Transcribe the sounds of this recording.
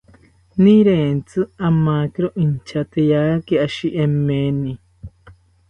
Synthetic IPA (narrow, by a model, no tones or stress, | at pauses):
nĩɾẽːnt͡sɨamãkiɾoʔint͡ʃʰat̪ejakiaʃiʔemenĩ